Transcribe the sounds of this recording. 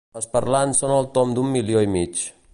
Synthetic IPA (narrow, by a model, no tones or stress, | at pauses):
əspəɾlansonəlˠt̪omd̪umːilioimit͡ʃ